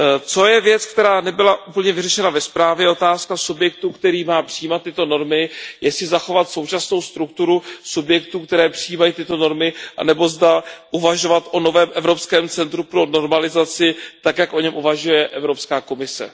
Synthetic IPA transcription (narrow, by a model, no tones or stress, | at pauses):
t͡so̞jɛvjɛt͡skt̪ɛɾaːnɛbɪlaʔupl̩ɲɛvɪrɛʃɛnavɛspɾaːvjɛʔo̞t̪aːskasubjɛk̚t̪ukt̪ɛɾiːmaːpr̥ɪjiːmat̪ːɪt̪o̞no̞ɾmɪjɛsɪzaxo̞vat̪so̞wt͡ʃasno̞wst̪ɾuk̚t̪uɾusubjɛk̚t̪uk̚t̪ɛɾɛːpr̥ɪjiːmajiːt̪ɪt̪o̞no̞ɾmɪʔa̰nɛbo̞zdaʔuvaʒo̞vat̪ʔo̞no̞vɛːmʔɛvɾo̞pskɛːmt͡sɛnt̪ɾupɾo̞no̞ɾmalɪzat͡sɪt̪akjakʔo̞ɲɛmʔuvaʒujɛʔɛvɾo̞pskaːko̞mɪsɛ̰